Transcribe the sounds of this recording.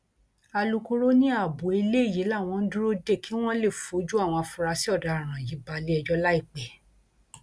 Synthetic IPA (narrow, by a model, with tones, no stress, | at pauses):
a˧lu˧ko˧ɾo˦nĩ˦a˦˨bo˨˦i˧le˦i˦˨ji˨˦la˦˨w̃ɔ̃˧n̩˦du˦ɾo˦de˦˨ki˨˦w̃ɔ̃˦le˦˨fo˨˦d͡ʒu˦a˦˨w̃ɔ̃˧a˧fu˧ɾa˧si˦ɔ˦˨da˨ɾ̃ã˨ji˨˦ba˧li˦ɛ˧d͡ʒɔ˦la˦i˦˨k͡pɛ˨˦